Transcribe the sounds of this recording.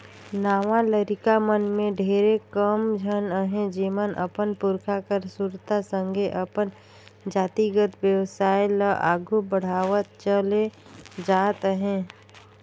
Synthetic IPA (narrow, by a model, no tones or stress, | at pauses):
naːʋaləɾɪkamənmẽɖʱeːɾekəmd͡ʒʱənəɦẽd͡ʒiːmənʔə̰pənpʊɾkʰakəɾsuɾt̪asə̃ŋɡʱeʔəpən | d͡ʒaːt̪iɡət̪ʋjəʋsaːjləʔaːɡʱubəɽ̤aːʋət̪̚t͡ʃəle | d͡ʒaːt̪ɦɛ̃ː